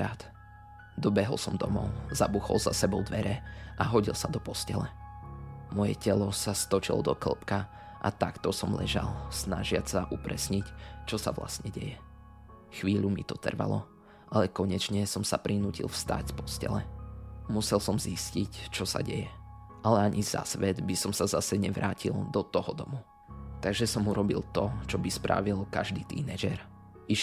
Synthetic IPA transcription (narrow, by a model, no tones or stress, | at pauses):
aːt̪ | d̪ɔbɛɦɔlsɔmd̪ɔmɔʊzabuxɔ̰lzasɛbɔʊd̪ʋɛɾɛʔaɦɔɟilsad̪ɔpɔscɛlɛ | mɔjɛ̰cɛlɔsast̪ɔt͡ʃilɔ̰d̪ɔkl̩pka | ʔa̰t̪akt̪ɔsɔmlɛʒa̰lsnaʒɪat͡saʔupɾɛsɲict͡ʃɔsa̰ʋla̰st̪ɲɛɟɛjɛ | xʋiːʎumit̪ɔt̪r̩ʋa̰lɔ | ʔalɛkɔɲɛt͡ʃɲɛsɔmsapɾinuːcḭlfst̪a̰ɟspɔscɛ̰lɛmusɛlsɔmziscict͡ʃɔsa̰ɟɛjɛ | ʔalɛaɲʔiza̰sʋɛd̪bisɔmsazasɛɲɛʋɾʔaːcild̪ɔt̪ɔɦɔd̪ɔmu | t̪aɡʒɛsɔmuɾɔbilt̪ɔt͡ʃɔbispɾa̰ʋilkaʒd̪iːt̪ḭːnɛʒɛɾ | iʃ